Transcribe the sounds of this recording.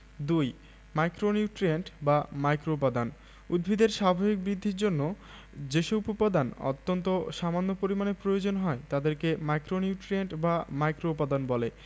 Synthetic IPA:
d̪uj | majkɾoniuʈɾieɳʈbamajkɾoupad̪an | ṵd̪̚bʱid̪eɾʃabʱabik̚bɾid̪ʱːiɾd͡ʑonːo | d͡ʑeʃoupopad̪anɔ̰t̪ːont̪oʃamanːopoɾimanepɾojod͡ʑonɦɔet̪ad̪eɾkemajkɾoniuʈɾieɳʈbamajkɾoupad̪anbɔle

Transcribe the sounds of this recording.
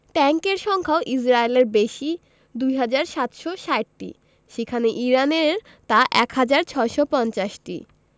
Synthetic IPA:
ʈɛŋkeɾʃɔŋkʰaoʔisɾaeleɾbeʃi | d̪ujɦad͡ʑaɾʃat̪ʃoʃaeʈʈḭ | ʃekʰaneʔiɾaneɾ | t̪aʔɛkɦad͡ʑaɾt͡ɕʰɔeʃɔpɔnt͡ɕaʃʈḭ

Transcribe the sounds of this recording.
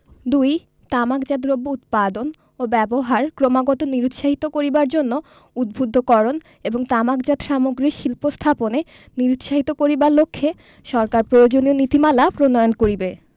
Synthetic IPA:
d̪uj | t̪amakd͡ʑad̪ɾobːout̪̚pad̪on | obɛboɦaɾkɾomaɡɔt̪oniɾut̪ʃaɦit̪okoɾibaɾd͡ʑonːo | ud̪̚bʱud̪ʱːokɔɾon | eboŋt̪amakd͡ʑad̪ʃamoɡɾiʃilpost̪ʰapone | niɾut̪ʃaɦit̪okoɾibaɾlokʰːe | ʃɔɾkaɾpɾojod͡ʑonionit̪imalapɾonɔjonkoɾibe

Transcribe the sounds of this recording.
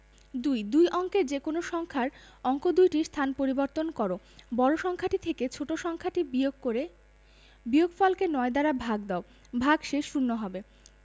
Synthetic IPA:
d̪ujd̪ujʔɔŋkeɾd͡ʑekonoʃɔŋkʰaɾ | ɔŋkod̪ujʈist̪ʰanpoɾiboɾt̪onkɔɾo | bɔɾoʃɔŋkʰaʈit̪ʰeket͡ɕʰoʈoʃɔŋkʰaʈibokoɾe | bioɡfɔlkenɔed̪aɾabʱaɡ̚d̪ao | bʱaɡʃeʃːunːoɦɔbe

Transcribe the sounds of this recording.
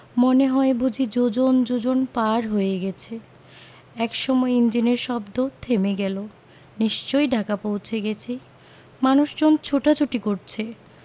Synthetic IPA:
moneɦɔebud͡ʑʱid͡ʑod͡ʑond͡ʑod͡ʑonpaɾɦojeɡɛt͡ɕʰe | ɛkʃɔmɔeind͡ʑineɾʃɔbd̪ot̪ʰemeɡɛlo | niʃt͡ɕojɖʱakapowt͡ɕʰeɡɛt͡ɕʰi | manuʃd͡ʑont͡ɕʰoʈat͡ɕʰuʈikoɾt͡ɕʰe

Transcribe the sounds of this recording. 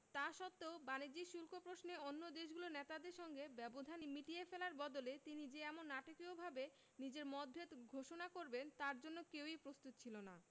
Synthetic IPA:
t̪aʃɔt̪ːeobanid͡ʑiʃulkʰopɾosneonːod̪eʃɡulonet̪ad̪eɾʃɔŋɡebɛbod̪ʱanimiʈiefelaɾbɔd̪olet̪inid͡ʑeɛmonːaʈokiobʱabe | nid͡ʑeɾmɔd̪̚bʱet̪ɡʱoʃonakoɾbent̪aɾd͡ʑonːokewipɾost̪ut̪t͡ɕʰilona

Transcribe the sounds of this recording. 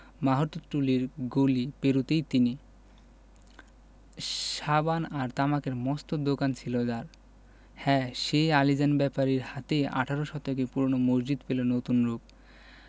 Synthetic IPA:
maɦot̪ːoʈuliɾɡolipeɾut̪ejt̪ini | ʃabanaɾt̪amakeɾmɔst̪od̪okant͡ɕʰilod͡ʑaɾ | hɛʃejalid͡ʑanbɛpaɾiɾhat̪ea̰ʈʰaɾoʃɔt̪okepuɾonomod͡ʑd͡ʑid̪pelonot̪unɾub̚

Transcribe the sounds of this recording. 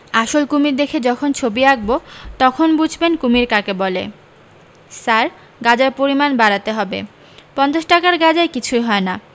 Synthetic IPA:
aʃolkumiɾd̪ekʰed͡ʑɔkʰont͡ɕʰobiaɡ̚bot̪ɔkʰonbud͡ʑʱbenkumiɾkakebɔlḛ | saɾ | ɡad͡ʑaɾpoɾimanbaɾat̪eɦɔbḛ | pɔnd̪oʃʈakaɾɡad͡ʑaekit͡ɕʰujɦɔena

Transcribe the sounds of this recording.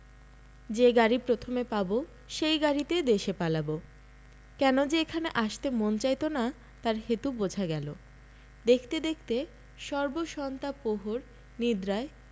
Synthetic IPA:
d͡ʑeɡaɾipɾot̪ʰomepabo | ʃejɡaɾit̪ed̪eʃepalabo | kɛnod͡ʑeekʰaneʔaʃt̪emont͡ɕajt̪ona | t̪aɾɦet̪ubod͡ʑʱaɡɛlo | d̪ekʰt̪ed̪ekʰt̪e | ʃɔɾboʃɔnt̪apoɦoɾ | nid̪ɾae

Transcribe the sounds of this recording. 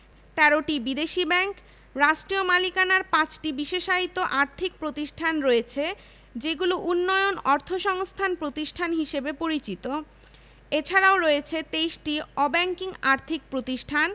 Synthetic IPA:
t̪ɛɾoʈibid̪eʃibɛŋk | ɾaʃʈɾiomalikanaɾpãt͡ɕʈibiʃeʃaɦit̪oʔaɾt̪ʰik̚pɾot̪iʃʈʰanɾoet͡ɕʰe | d͡ʑeɡuloʔunːɔeonɔɾt̪ʰoʃɔŋst̪ʰanpɾot̪iʃʈʰanɦiʃebepoɾit͡ɕit̪o | et͡ɕʰaɾaoɾɔet͡ɕʰet̪ejʃʈiɔbɛŋkiŋaɾt̪ʰik̚pɾot̪iʃʈʰan

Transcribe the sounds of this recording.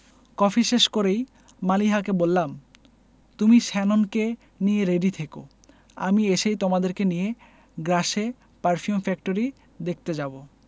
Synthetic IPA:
kɔfʰiʃeʃkoɾej | maliɦak̬ebolːam | t̪umiʃɛnonke | nijeɾeɖit̪ʰeko̰ | a̰mieʃejt̪omad̪eɾkenije | ɡɾaʃe | paɾfʰiumfɛkʈoɾi | d̪ek̚ʰt̪ed͡ʑabo

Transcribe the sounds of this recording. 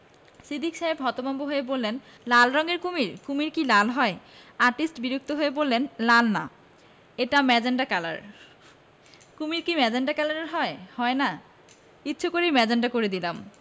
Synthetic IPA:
sid̪ʱikʃaebʱɔt̪omɔmboɦoebolːen | lalɾɔŋeɾkumiɾkumiɾkilalɦɔeaɾʈisʈbiɾuk̚t̪oɦoebolːenlalna̰ | eʈamɛd͡ʑeɳɖakɛla̰ɾ | kumiɾkimɛd͡ʑeɳɖakalaɾeɾɦɔehɔena | kitːɕʰokoɾejmɛd͡ʑaɳɖakoɾed̪ilam

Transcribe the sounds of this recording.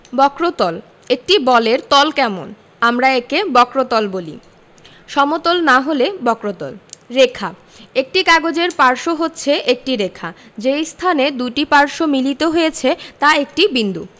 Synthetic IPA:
bɔkɾot̪ɔl | ek̚ʈibɔleɾt̪ɔlkɛmo̰n | amɾaekebɔkɾot̪ɔlbolḭ | ʃɔmot̪olnaɦolebɔkɾot̪ɔ̰lɾekʰa | ek̚ʈikaɡod͡ʑeɾpaɾʃoɦotːɕʰeʔek̚ʈiɾekʰad͡ʑejst̪ʰaned̪uʈipaɾʃomilit̪oɦojet͡ɕʰet̪aek̚ʈibind̪ṵ

